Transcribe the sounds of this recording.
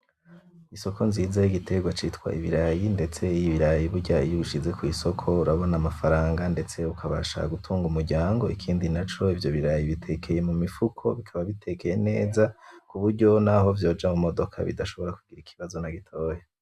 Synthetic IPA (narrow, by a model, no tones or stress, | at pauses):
iso̞kʰo̞nziːzajiɡitʰe̞ɡwat͡ʃitkwa̰ʔiβiɾajinde̞t͡se̞ijiβiɾajiβuɟaijuuʃize̞kwiso̞kʰo̞uɾaβo̞namafaɾaːŋɡande̞t͡se̞ukʰaβa̰ʃa̰ɡutʰuːŋɡumuɾɟaːŋɡo̞ikʰiːndinat͡ʃo̞ivjo̞βiɾajiβitʰe̞kʰe̞je̞mumifukʰo̞̰βikʰaβaβitʰe̞ke̞je̞ne̞ːzakuβuɾɟo̞naho̞vjo̞ːd͡ʒamumo̞do̞kʰa̰βḭdaʃoβo̞ɾakuɡ̥iɾikʰi̥βazo̞naɡitʰo̞ːje